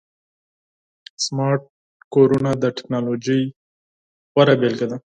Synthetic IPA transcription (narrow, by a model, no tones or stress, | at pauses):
smɑɾʈ̚ | koɾunad̪əʈɪ̥knɑlod͡ʒi | waɾabelked̪a